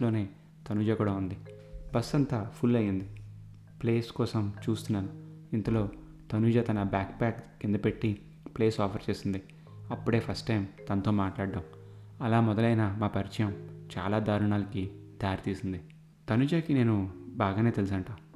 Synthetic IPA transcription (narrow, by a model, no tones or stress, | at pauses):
lo̞ːne̞ː | t̪ɐnud͡ʒaːkuːɽɐund̪i | bɐsːɐnt̪ɐpʰulːɐjind̪i | ple̞ːskɔːsɐmt͡ʃuːst̪unːaːnuint̪ɐlo̞ː | t̪ɐnud͡ʒɐt̪ɐnɐbjaːkpaːkkind̪ɐpe̞ʈːi | pleːsɔːpʰɐɾt͡ʃe̞ːsind̪i | ɐpːuɽe̞ːpʰɐsʈʈɐjmt̪ɐnɐt̪o̞ːmaːʈlaːɽɖːɐm | ɐlaːmɔd̪ɐlɐjnamaːpɐɾit͡ʃɐjɐmt͡ʃa̰ːlaːd̪aːɾuɳaːlɐkit̪ɐjaːɾt̪iːsind̪i | t̪ɐnud͡ʒaːkine̞ːnubaːɡaːneːt̪e̞lus̬ɐːɳʈaː